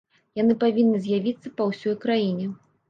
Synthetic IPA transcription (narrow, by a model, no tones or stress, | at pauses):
janɨpavʲinːɨzʲjavʲit̪sːɐpɐwsʲɔjkɾajinʲɛ